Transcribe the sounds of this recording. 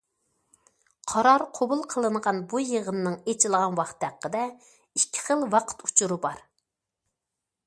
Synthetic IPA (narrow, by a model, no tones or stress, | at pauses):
qʰɑɾɑɾqʰobulˠqʰəlˠɨɴʁɑnbujəʁənɨnɨŋet͡ʃʰilˠʁɑnwɑχt̪ʰːæqːəd̪ɛ | ikʲʰːɪ̥χəlˠwɑqʰə̥t̪u̥t͡ʃʰuɾɨbɑɾ